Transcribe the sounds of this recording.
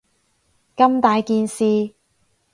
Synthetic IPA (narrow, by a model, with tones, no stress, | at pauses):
kɐ˥mt̪aː˨jkiː˧nsiː˧